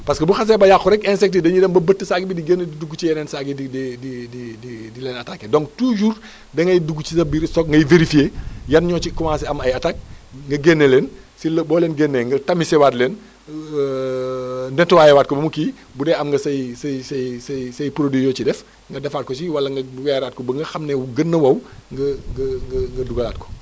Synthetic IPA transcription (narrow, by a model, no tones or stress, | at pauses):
pɐskɐbuxɐs̬ɛːbɐjaxuɾɛkɛnsɛk̚tidɐɲudɛmbɐbətːəsaɡibidiɡenːediduɡut͡ʃijɛnɛːnsaɡiidididididilɛːnɐtakːɛdɔŋtuːd͡ʒuːr | dɐŋɐjduɡːut͡ʃisɐbisɔk̚ŋɡɐjveɾifieːjɐnɲɔːt͡ʃikumãsɛɐmɐjɐtak̚ŋɡɐɡenːelɛːn | silɐbɔːlɛːnɡenːɛŋɡɐtɐmisɛwaːtlɛːn | ndɛntuwaːjɛwaːt̚kɔbɐmukiː | budɛɐmŋɡɐsɐjsɐjsɐjsɐjsɐjpɾodijɔːt͡ʃidɛf | ŋɡɐdɛfaːt̚kɔs̬iwɐlːɐŋɡɐbuwɛɾaːt̚kɔbɐŋɡɐxɐmnɛwuɡənːəwɐwŋɡɐŋɡɐŋɡɐŋɡɐduɡɐlaːt̚kɔ̥